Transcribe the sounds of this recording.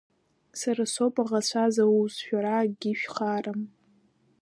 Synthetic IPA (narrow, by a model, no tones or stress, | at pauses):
saɾasopʼaʁat͡ɕʷʰazawusʃᶣaɾaɡʲiʃᶣχaːram